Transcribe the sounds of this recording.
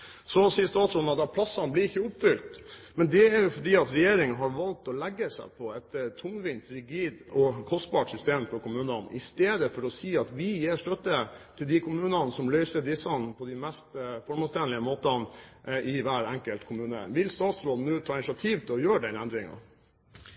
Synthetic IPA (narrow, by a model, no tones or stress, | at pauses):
sɔsiːəst̪ɑːt̪sɾoːd̪n̩ɑt̪d̪ɑpʰlɑsːɑnblɪɾɪçːəʊpfʏlt̪mɛnd̪ɛæɾjʊfɔɖiːɑt̪ɾɛjeːɾɪŋnɦɑɾʋɑlt̪ɔlɛɡːəsæ̰ɪpʰɔɛt̪ːət̪ʰʊnʋɪnt̪ɾɪɡiːd̪ɔkʰɔst̪bɑʈsʏst̪eːmfɔɾkʊmʉːnɑnɪ̰st̪eːd̪əfɔɾɔsiːɑt̪ʋɪjeːʂt̪œt̪ːət̪ʰɪld̪ɪkʰʊmʉːnɑnsɔmlœʏsəd̪ɪsɑnpʰɔd̪ɪmɛst̪fɔɾmɑst̪ʰɛnlɪəmoːt̪ɑnʔɪʋæːɾæŋkəlt̪kʰʊmʉːnə̰ʋɪlst̪ɑːt̪sɾoːd̪n̩ʉːt̪ʰɑːɪnɪsɪɑt̪ʰiːʋt̪ʰɪlɔjøːɖɛnænd̪ɾɪŋɑ̰